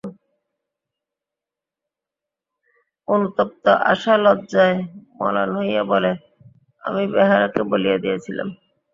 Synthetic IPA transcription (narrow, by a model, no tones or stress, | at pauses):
onut̪op̚t̪oʔa̰ʃalɔdd͡ʑaemɔ̰la̰nɦojabole | a̰mibɛɦaɾakebolijed̪iet͡ɕʰila̰m